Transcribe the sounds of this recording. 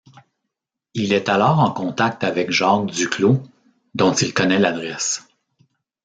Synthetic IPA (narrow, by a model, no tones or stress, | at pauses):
ilɛt̪alɔːʁɑ̃kɔ̃t̪ak̚t̪avɛkʒɑ̃d̪ykʰlo | d̪ɔ̃t̪ilkɔnɛlad̪ʁɛs